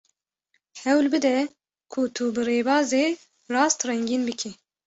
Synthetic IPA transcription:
hɛwlbɨd̪ɛ | kʰut̪ʰubɨɾeːbɑːzeː | rɑːst̪rɛŋɡiːnbɨkʰi

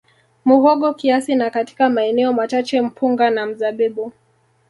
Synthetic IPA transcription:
muɣɔɠɔkiasinakati̥kamaɛnɛɔmat͡ʃat͡ʃɛm̩pʰuŋɡanam̩zaɓɛɓu

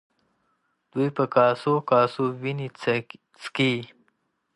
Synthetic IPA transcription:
d̪̥ujpəkɑːsokɑːsowinit͡s | t͡ski

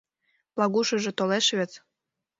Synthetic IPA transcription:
plˠɑɣuʃɤ̆ʒĕt̪oleʃβet͡s

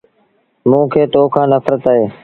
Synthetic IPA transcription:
mũːkʰeːt̪oːkʰãːnəfɾət̪aːɦeː

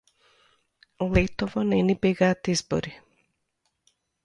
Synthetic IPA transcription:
lɛt̪ovɔnɛnibɛɡaːt̪izbɔ̰ɾi

